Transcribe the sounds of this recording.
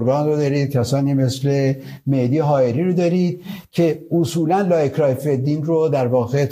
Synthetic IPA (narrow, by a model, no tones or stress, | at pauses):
ɾɡɒːnrod̪ɒːɾiːd̪̥̚cʰæsɒːniːme̞sle̞med̪iːɦɒːeɾiːɾod̪ɒːɾiːd̪̥̚cʰe̞osuːlænlɒːekʰɾɒːfed̪iːnrod̪æɾvɒːɣet̪